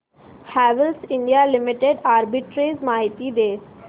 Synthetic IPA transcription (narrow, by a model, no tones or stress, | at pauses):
hæʋəlsɪɳɖijalimiʈeɖaɾbiʈɾeːzmaɦit̪iːd̪eːs